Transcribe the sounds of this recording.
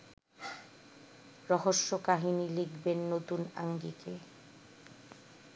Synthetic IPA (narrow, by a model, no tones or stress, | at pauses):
ɾɔɦoʃːokaɦinilikʰbenːot̪una̰ŋɡike